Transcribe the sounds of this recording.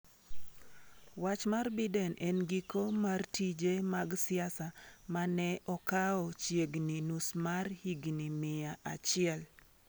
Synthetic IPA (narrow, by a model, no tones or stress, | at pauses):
wat͡ʃmarbidɛnʔɛnɡikomartid͡ʒemaɡsɪasamanɛʔɔkaɔt͡ʃjeɡninusmarhiɡnimɪjaʔat͡ʃɪɛl